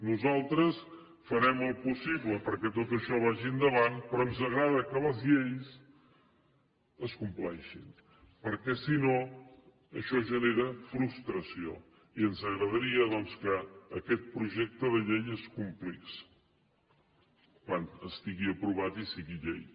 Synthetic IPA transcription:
nuzalˠt̪ɾəs | fəɾɛməlˠpusiβləpəɾkɛt̪ot̪əʃɔβ̞aʒiənd̪əβanpɾɔənzəɣɾaðəkələzʎejs | əskumplɛʃin | pəɾkɛsino | əʃɔʒəneɾəfɾust̪ɾəsio̰ | iənzəɣɾəðəɾiəðɔnskəːkɛt̪̚pɾuʒɛk̚t̪əðəʎejeskumpliks | kwanəst̪iɣiəpɾuβat̪isiɣiʎḛj

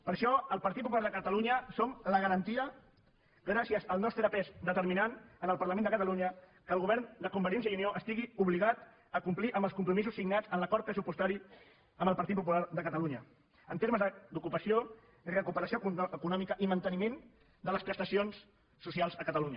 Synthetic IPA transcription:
pəɾʃɔəlˠpɐɾt̪it̪pup̬uaɾðəkət̪əluɲəsomləɣəɾənt̪iə | ɣɾasiəzəlˠnɔst̪ɾəpɛzd̪ət̪əɾminanənəlˠpɐɾləmẽnəkət̪əluɲəkəlˠɣuβɛɾnd̪əkumbəɾjens̬əiunioʔəst̪iɣiuβliɣ̞at̪ | əkumpliʔəmbəlskumpɾumizusːiɡnad͡zənləkɔɾt̪̚pɾəsupust̪aɾi | əmbəlˠpɐɾt̪it̪̚pup̬ulaɾðəkət̪əluɲə | ənt̪eɾməzəd̪ukupəsio | irəkupəɾəsioəkunɔmikəʔimənt̪ənimẽn | d̪ələspɾəst̪əsions | sːusialˠzəkət̪əluɲə

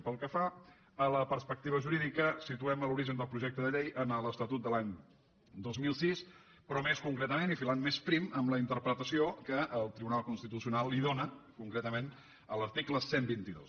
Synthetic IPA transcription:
pəlˠkəfa | ələpəɾspək̚t̪iβəʒuɾiðikəsit̪uɛməluɾiʒənd̪əlˠpɾuʒɛk̚t̪əðəʎejʔənələst̪ət̪ut̪̚d̪əlaɲ | d̪ozmilˠsis | pɾɔmeskuŋkɾɛt̪əmenifilanmespɾiməmləint̪əɾpɾət̪əsiokəʔəlˠt̪ɾiβunalˠkunst̪it̪usiunalˠːiðonəkuŋkɾɛt̪əmen | ələɾt̪ikləsembint̪iðo̰s

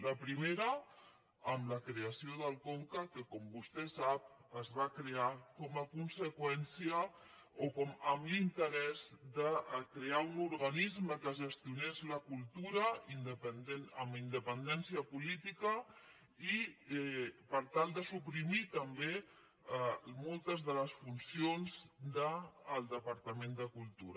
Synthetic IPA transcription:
ləpɾimeɾəː | mləkɾeəsioðəlˠkoŋkəkəkɔmbust̪ɛsap̚əzβakɾeakɔməkunsəkwɛnsiə | okɔməmlint̪əɾɛzd̪əkɾeaunuɾɣɐnizməkəʒəst̪iunezləkulˠt̪uɾɐind̪əpənd̪enəmind̪əpənd̪ɛnsiəpulit̪ikə | i | pəɾt̪alˠd̪əsupɾimit̪əmbe | mɔlˠt̪əzðələsfunsionzd̪əːlˠd̪əpəɾt̪əmẽnd̪əkulˠt̪uɾə

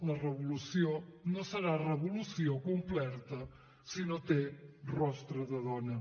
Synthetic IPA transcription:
lɐrəβuluθjonosəɾarəβuluθjokumplɛɾt̪ɐ | sinot̪erɔst̪ɾɐðəðɔnɐ

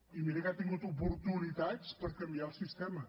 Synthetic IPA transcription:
imiɾɐkat̪ĩɲũt̪upuɾt̪uniðaðʃpɐɾkɐ̃mbiaɾusiʃt̪emɐ

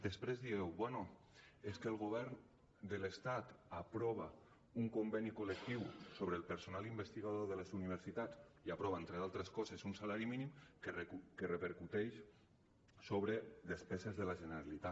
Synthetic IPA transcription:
d̪espɾezðiɣɛwβwɛno | eskeəlˠɣoβ̞ɛɾn | d̪əlest̪at̪apɾɔβa | uŋkombɛnikolek̚t̪iwsoβɾelˠpəɾsonalimbəst̪iɣaðoðəlezuniβ̞əɾsit̪at͡siapɾɔβaent̪ɾealˠt̪ɾeskɔzesunsalaɾiminimkerekerəpeɾkut̪ɛʃ | soβɾeðespɛzezðəlaʒənəɾalit̪a

